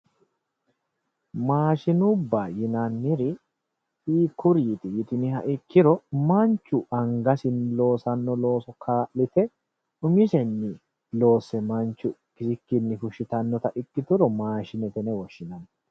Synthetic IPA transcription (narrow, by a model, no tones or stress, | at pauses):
maːʃɪnʊbːaːjɪnɐnːɪɾɪ | iːkʊɾiːt̪ɪjɪt̪ɪnɪhɐʔɪkːɪɾɔmɐnt͡ʃːʊʔɐŋɡɐsɪnlo̞ːsɐnːɔlo̞ːsɔkʰaːʔlɪt̪ɛ | ʊmɪʃɛnːɪ | lo̞ːsːɛmɐnt͡ʃːʊkɪsɪkːɪnːɪɦʊʃɪt̪ɐnːɔt̪ɐʔɪkːɪt̪ʊɾɔmaːʃɪnɛt̪ɛnɛwɔʃːɪnɐn